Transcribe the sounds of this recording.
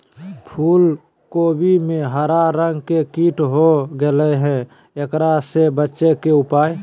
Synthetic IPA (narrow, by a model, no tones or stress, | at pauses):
pʰuːl | koːbʱimẽɦəɾaɾəŋɡkekiːʈɦoɡelɛɦɛ̃ | ekɾasebətːʃekeʊpaːj